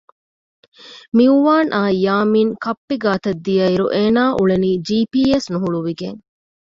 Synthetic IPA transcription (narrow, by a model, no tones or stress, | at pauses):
miuʋaːnʔaːjaːmiːŋkɐpːiɡaːt̪ɐd̪ːijɐiɾṵʔeːnaːʔuɭeniːd͡ʒiːpiːesnuɦuɭuʋiɡeŋ